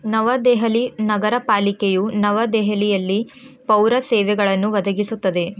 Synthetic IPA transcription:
nɐʋɐd̪ɛːɦɐlinɐɡɐɾɐpaːlikejunɐʋɐd̪ɛːɦɐlijɐlːipɐwɾɐsɛːʋɛɡɐɭɐnːuʋɐd̪ʱɐɡisut̪ːɐd̪e̞

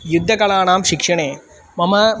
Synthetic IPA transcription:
jud̪ʱːɐkɐɭaːnaːmʃɪkʂɐɳeː | mɐmɐ

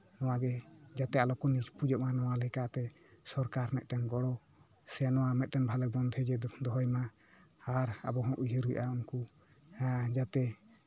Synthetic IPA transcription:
nɔwaɡɛd͡ʒat̪ɛalɔkɔnid͡ʒpud͡ʒɔʔmanɔwalɛkaʔt̪ɛ | sɔɾkaɾmɛt̪̚ˀʈɛnɡɔɽɔ | sɛnɔwamɛt̪̚ˀʈɛnbʱalɛbɔnd̪ʱɛd͡ʒɛd̪ɔɦɔjma | aɾa̰bɔɦɔ̃ʔujəɾuj̰ʔaunku | d͡ʒat̪ɛ

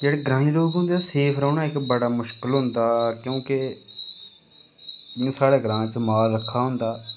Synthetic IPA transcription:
d͡ʒeːɽeːɡɾãːĩɾoːɡɦʊ̃nd̪eːseːpʰɾəːɳãːɪkbəɽaːmʊʃkɪlɦʊ̃nd̪aːkjõːke | saːɽeːɡɾãːt͡ʃəmaːlɾəkʰːaːɦʊ̃nd̪aː

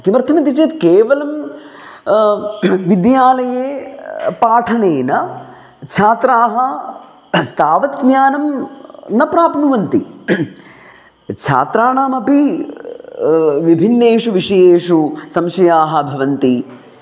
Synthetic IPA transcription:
kimɐɾt̪ʰɐmɐnt̪it͡ʃeːt̪keːʋɐlɐm | ʋid̪jaːlɐjeːpaːʈʰɐneːnɐ | t͡ʃʰaːt̪ɾaːɦɐ | t̪aːʋɐt̪mjaːnɐmnɐpɾaːpnuʋɐnt̪i | t͡ʃʰa̰ːt̪ɾaːɳaːmɐpi | ʋibʱinːeːʂuʋiʂɐjeːʂusɐmʃɐjaːɦɐ̆bʱɐʋɐnt̪i

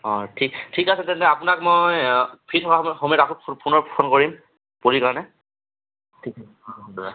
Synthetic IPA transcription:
ɔtʰiktʰikasɛtɛntɛapʊnakmojpʰitʰɔkamxomitakʰɔpʰpʰunɔɹpɔkʰɔnkoɹim | poɹikaɹɔnɛ | tʰikasɛɔɔdɔa

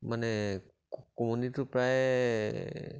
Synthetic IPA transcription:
manɛ | kɔmunitʊpɹaj

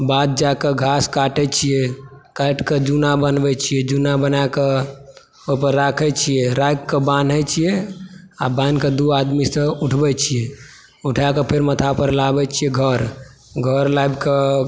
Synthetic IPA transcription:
bad̪̚d͡ʒakeɡʱaskaʈɛt͡ʃʰijɛkaʈked͡ʒunabənbɛt͡ʃʰijɛd͡ʒunabənake | opəɾːakʰɛt͡ʃʰijɛɾajkkəbanɦɛt͡ʃʰijɛabãnked̪uad̪misə̃uʈʰbɛt͡ʃʰijɛ | uʈʰakepʰeɾmət̪ʰapəɾlabɛt͡ʃʰijɛɡʱəɾ | ɡʱəɾlajbke

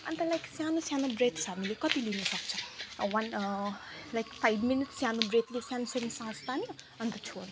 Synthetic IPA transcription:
ʌ̰nt̪ʌlajksjanosjanobret̪t͡sʰʌɦamilekʌt̪ilinʌsʌkt͡sʰʌ̃wʌn | lajkpʰajbminitsjanobret̪lesjanosʌnisãst̪anijo | ʌnt̪ʌt͡sʰon

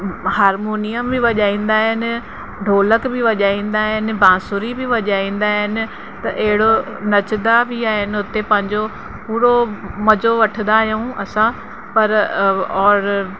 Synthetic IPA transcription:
haːɾmoːnijəmbɪʋɐʄaːĩːn̆d̪aːɦɪnɪ̆ | ɖʱoːləkbɪʋɐʄaːĩːn̆d̪aːɦɪnɪ̆bãːsʊɾibʱɪʋɐʄaːĩːn̆d̪aːɦɪnɪ̆ | t̪ɐʔɐɦɪɽo | nɐt͡ɕd̪abʱiaːɦɪnɪ̆ʊt̪epɐ̃ɦɪ̃ɲd͡ʑo | puːɾomɐd͡ʑoʋɐʈʰə̃nd̪aːɦjũɐsã | pɐɾɔːɾ

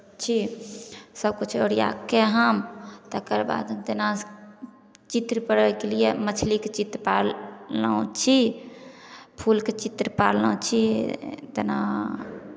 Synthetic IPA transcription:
t͡ʃʰi | səbkut͡ʃʰoɾija̰kːeɦəmt̪əkəɾba̰d̪t̪ena | t͡ʃit̪ɾpəɽɛkelijemət͡ʃʰlikt͡ʃit̪ɾpalãt͡ʃʰi | pʰulket͡ʃit̪ɾəpaɾlə̃t͡ʃʰit̪ena̰

